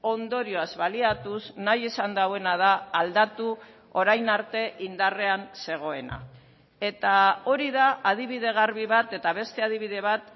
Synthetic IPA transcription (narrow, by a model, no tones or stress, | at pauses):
o̞nd̪o̞ɾio̞azβaliat̪usnajesand̪awe̞nað̞aːld̪at̪u | oɾajnaɾt̪e̞ʔind̪are̞anse̞ɣ̞o̞e̞na̰ | e̞t̪ao̞ɾiðaʔað̞iβ̞iðe̞ɣ̞aɾβiβat̪e̞t̪aβ̞e̞st̪e̞að̞iβiðe̞β̞at̪